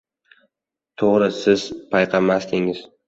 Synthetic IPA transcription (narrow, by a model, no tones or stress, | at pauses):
t̪ʰoʁɾɪsɪz̥pʰajqʰɑmast̪ɪŋɪz̥